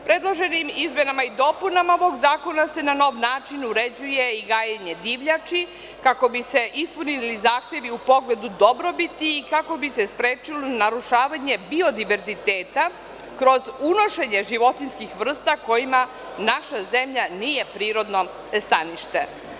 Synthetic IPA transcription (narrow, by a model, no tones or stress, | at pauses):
pɾe̞d̪lˠo̞ʒe̞nimizme̞namaid̪o̞punamaoʋoɡzaːko̞nase̞nano̞ːʋnaːt͡ʃinuɾe̞d͡ʑuje̞iɡaːjaɲe̞d̪iʋʎat͡ʃi | kako̞bise̞ʔispunilizaːxt̪je̞ʋiupo̞ɡle̞d̪ud̪o̞bɾo̞bit̪iːkako̞bise̞spɾeːt͡ʃilonaɾuʃaːʋaɲe̞bio̞d̪iʋe̞ɾzit̪eːt̪a | kɾo̞zuno̞ʃe̞ɲe̞ʒiʋo̞t̪inskixʋr̩st̪ako̞jima | naʃaze̞mʎaniːje̞pɾiːɾo̞d̪no̞ | st̪aniʃt̪e̞̰